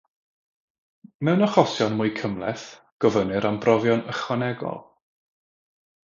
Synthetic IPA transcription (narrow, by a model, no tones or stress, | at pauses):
mɛwnɔχɔsjɔnmʊːɨkʰəmlˠɛ̰θ | ɡ̥ɔvənɨɾambrɔvjɔnəχwanɛɡɔ̰lˠ